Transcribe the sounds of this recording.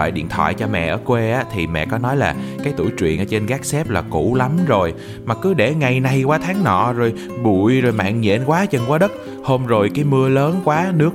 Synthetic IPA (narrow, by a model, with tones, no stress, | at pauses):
ɔ̰ː˧˨jɗḭ˧˨ənt̪ʰwa̰ː˧˨jt͡ɕɔ˧mɛ̰˧˨ʔəː˧˩kwe˧ʔaː˨˦t̪ʰi˨˩mɛ̰˧˨kɔ˨˦nɔ˨˦jlaː˨˩kaː˨˦jt̪ṵ˧˩jt͡ɕwḭ˧˨ənʔəː˧˦t͡ɕe˧nɣaː˦˥k̚sɛ˦˥p̚laː˨˩ku˧˥la˨˦mzo˨˩j | maː˨˩kɨ˨˦ɗe˧˩ŋa˧jna˧jkwaː˨˦t̪ʰaː˨˦ŋnɔ̰˧˨zo˨˩j | ɓu˧˨əjzo˨˩jma̰ː˧˨nɲɛ̰˧˨nkwaː˨˦t͡ɕə˨˩nkwaː˨˦ɗə˦˥t̚ | ho˧mzo˨˩jkaː˨˦jmɨ˧ələː˨˦nkwaː˨˦nɨ˦˥ək̚